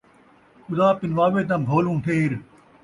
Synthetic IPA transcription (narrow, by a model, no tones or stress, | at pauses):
ʊd̪aːpɪnʋaːʋeːt̪ãːbʱoːlũːʈʰeːɾ